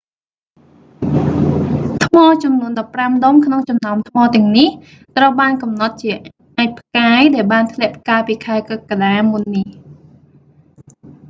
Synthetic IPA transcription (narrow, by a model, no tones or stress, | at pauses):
t̪ʰmɑːt͡ɕɑmnuənɗɑpːramɗomkʰnoŋt͡ɕɑmnaɔmt̪ʰmɑːt̪ɛ̆əŋnih | t̪rəwɓaːnkɑmnɑt̪̚t͡ɕiə | ʔaːc̚pʰkaːjɗaɛlɓaːnt̪ʰlɛ̆əʔp̚ʰkaːlpiːkʰaɛkəkaɗaːmunːih